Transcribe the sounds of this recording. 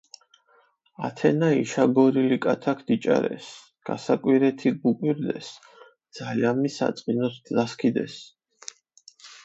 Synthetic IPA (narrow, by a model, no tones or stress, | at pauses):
at̪ʰɛnaiʃaɡɔɾilikʼat̪ʰakʰd̪̥it͡ʃʼa̰ɾɛ̰s | ɡ̥asakʼwiɾɛt̪ʰiɡukʼwiɾd̪ɛ̰s | d̪z̥aliamisa̰t̪sʼqʼinɔszaskʰid̪ɛ̰s